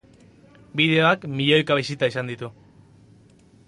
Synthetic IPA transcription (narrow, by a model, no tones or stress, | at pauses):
biðe̞oakmiʎojkaβisit̪aisand̪it̪u